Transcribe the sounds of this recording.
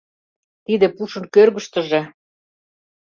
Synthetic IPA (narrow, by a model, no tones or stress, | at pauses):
t̪id̪ĕpuʃɤ̆nkørɣə̆ʃt̪ə̆ʒĕ